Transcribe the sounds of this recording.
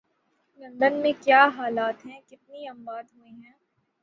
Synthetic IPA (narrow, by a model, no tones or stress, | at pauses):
lɐ̃nd̪ənmẽkjaːɦaːlaːt̪ɦɛ̃kɪt̪̚niɐ̃mbaːd̪ɦueɦɛ̃ː